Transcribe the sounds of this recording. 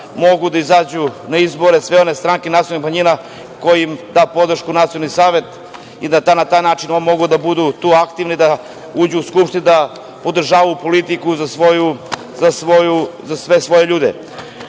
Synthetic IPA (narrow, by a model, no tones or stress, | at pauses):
mo̞ɡud̪aizaːd͡ʑunaizbo̞ɾesʋeo̞nest̪ɾaːŋkenat̪sijolnixmaɲiːna | ko̞jimd̪aːpo̞d̪r̩ʃkunat̪sijonisaːʋe̞t̪ | id̪at̪anat̪aːjnaːt͡ʃinonmo̞ɡud̪abud̪ut̪uːakt̪iʋnid̪a | uːd͡ʑuːskupʃt̪inud̪a | po̞d̪r̩ʒaːʋaupo̞lit̪ikuzasʋoju | zasʋojuzasʋe̞sʋo̞je̞ʎuːd̪ḛ